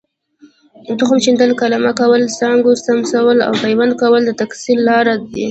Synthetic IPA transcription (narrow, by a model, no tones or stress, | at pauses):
nt̪ʊxʊmt͡ʃind̪əlkalamakawəlsɑŋɡosamsawəla̰wpajwand̪̚kawəld̪ət̪aksilːɑɾad̪e